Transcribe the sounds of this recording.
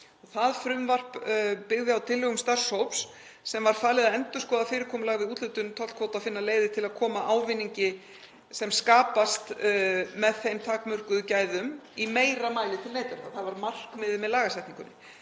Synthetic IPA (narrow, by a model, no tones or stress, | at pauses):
ɔθaðfɾʏmvar̥ppɪɣðɪawt̪ʰɪlːœɣʏmst̪ar̥showps | sɛmvaɾ̥faːlɪðaðɛnt̪ʏskɔːðafɪːɾɪɾkʰɔːmʏlaːɣvɪuːt̪lʏt̪ʏnt̪ʰɔlt̪kvoːwt̪aðfɪnːaleːjðɪt̪ʰɪlaðkʰɔːmaʔaːwvɪnːiɲcɪ | sɛmskaːpast̪mɛðθejmt̪ʰaːkmʏr̥kʏðʏcaːjðʏmimeːjɾamaːjlɪt̪ʰɪlneːjt̪aɾaθaðvaɾmar̥kmɪðɪmɛðlaːɣasɛjht̪niŋkʏnːɪ